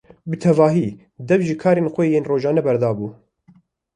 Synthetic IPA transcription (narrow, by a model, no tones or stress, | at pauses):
bɨt̪ʰɛvɑːɦiː | d̪ɛvʒikʰɑːɾeːnxʷɛjeːnroːʒɑːnɛbɛɾd̪ɑːbuː